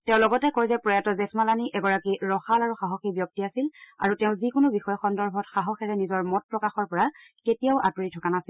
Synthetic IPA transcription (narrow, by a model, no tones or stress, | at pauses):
tɛ̃ʊ̃lɔɡɔtɛkoɹizɛpɹɔjatɔzɛsmalaniʔɛɡɔɹakiɹɔxalaɹuxaɦɔxibjɔk̚tiasila̰ɹutɛʊ̃zikʊnʊbixɔjɔxɔndɔɹbʱɔtxaɦɔxɛɹɛnizɔɹmɔt̚pɹɔkaxɔɹpɔɹa | ketijaʊʔatuɹitʰɔkanasil